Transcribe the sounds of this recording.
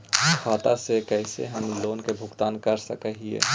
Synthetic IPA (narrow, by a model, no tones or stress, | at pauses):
kʰaːt̪asekəɪsḛɦəmloːnkebʱʊɡt̪aːnkəɾsəkəɦiḛː